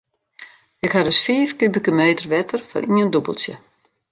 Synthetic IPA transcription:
ɪkhaɾøsfiːfkybəkəmeːtərʋɛtərfɔ̰nʔiəndubə̰lˠsjə̰

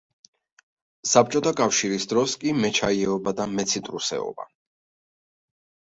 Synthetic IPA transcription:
sap̚t͡ʃʼɔt̪ʰakʼafʃiɾisd̪ɾɔskʼimɛt͡ʃʰaiɛɔbad̪amɛt̪sʰit̪ʼɾusɛ̰ɔ̰ba̰

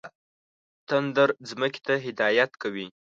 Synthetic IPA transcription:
t̪and̪əɾzməke̥t̪aɦɪd̪ɑjat̪kawi

